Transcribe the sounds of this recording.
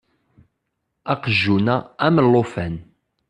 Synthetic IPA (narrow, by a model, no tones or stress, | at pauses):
ɑqəʒːunææmlːofæn